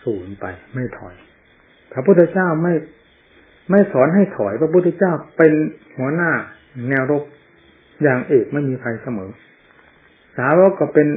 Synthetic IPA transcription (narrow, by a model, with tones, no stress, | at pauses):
suː˨˩˦npa̰˧jma˥˩jt̪ʰɔ̰˨˩j | pʰɾa˧˥pʰu˥˩t̪ʰːa˧t͡ɕaː˥˩wma˥˩j | ma˥˩jsʰɔː˩˦nɦa˥˩jt̪ʰɔ˨˩jpʰɾa˧p̬ʰu˥˩t̪ʰːa˧t͡ɕaː˥˩wpe˧nhu˩˦ɐnaː˥˩˨ | nɛː˧wɾo˦˥p̚ | jaː˨˩ŋʔeː˨˩k̚ma˥˩jmiː˧pʰa˧jsa˧mɤː˩˦ | saː˨˦ɾoː˦˥kɔː˥˩pe˧n